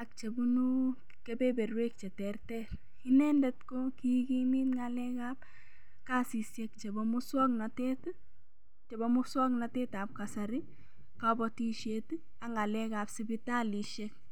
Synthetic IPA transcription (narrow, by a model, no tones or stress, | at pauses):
ak̚t͡ʃebunu | kebebeɾwek̚t͡ʃɛtɛrtɛɾ | inɛndɛtkokikimitŋalɛkaːp̚ | kasisjekt͡ʃebɔmuswɔknatɛt | t͡ʃebɔmʊswɔknateːtap̚kasaɾɪ | kabɔtiʃeti | aŋalɛkapsibitaliʃek̚